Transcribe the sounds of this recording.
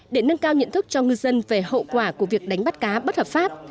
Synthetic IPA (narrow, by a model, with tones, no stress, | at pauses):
ɗe˧˩nə˧ŋkaː˧wɲɨ̰˧˨nt̪ʰɨ˦˥k̚t͡ɕɔ˧ŋɨ˧jzə˧nve˨˩ho̰˧˨kwaː˧˩ku˧˩əvi˨˩ək̚ɗa˨˦jŋ̟ɓa˦˥t̚kaː˨˦ɓə˦˥t̚həː˨˩p̚faː˦˥p̚